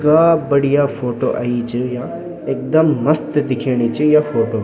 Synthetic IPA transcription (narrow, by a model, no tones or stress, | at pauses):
kabɐɽijafʰoːʈoʔa̰it͡ʃɨjãː | eːk̚d̪ɐmːɐst̪d̪ɪkʰeːɽ̃it͡ʃijafʰoːʈo